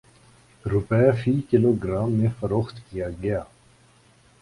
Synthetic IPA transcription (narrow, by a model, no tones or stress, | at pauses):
ɾʊpɛːfiːkɪloːɡɾaːmːẽfɐɾoːxt̪kijaɡɐjaː